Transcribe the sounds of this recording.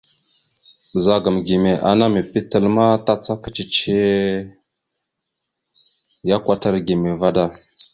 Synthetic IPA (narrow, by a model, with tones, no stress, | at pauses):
za˨ɡə˨mɡi˨me˨ʔa̰˨na˦mə˨pi˦tə˦˨lma˦ta˦t͡sa˦kə̥˦t͡ʃi˨t͡ʃe˦ | ja˦kʷa˦ta˦ɾɡi˨me˨va˦da˦